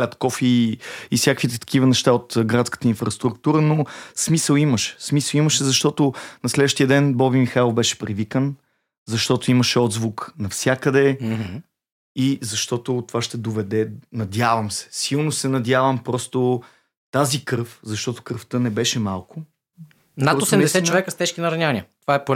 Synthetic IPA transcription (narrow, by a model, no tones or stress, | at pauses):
ət̪kɔfiifsʲjakəkvit̪ɛt̪ɐ̥k̟ivənɛʃt̪aot̪ɡɾat̪skə̥t̪əinfɾɐst̪ɾukt̪uɾənosmisəlˠiməʃɛ̥smisəlˠiməʃɛzɐʃt̪ɔt̪onɐslɛd̪vəʃt̪ijəd̪ɛnbɔbimixailˠobɛʃɛ̥pɾivikən | zɐʃt̪ɔt̪oiməʃɛɔd̪zvuknɐfsʲjakəd̪ɛ | izɐʃt̪ɔt̪ʊt̪ovaʃt̪ɛd̪ovɛd̪ɛnɐd̪ʲjavəmsɛ̥silˠnosɛnɐd̪ʲjavəmpɾɔst̪o | t̪azikɾɤfzɐʃt̪ɔt̪ʊ̥kɾft̪ənɛbɛʃɛmalˠkʊ | nat̪osɛmd̪ɛsɛt͡ʃovɛkəst̪ɛʃkʲinɐɾɐnʲanʲiət̪ovaɛpo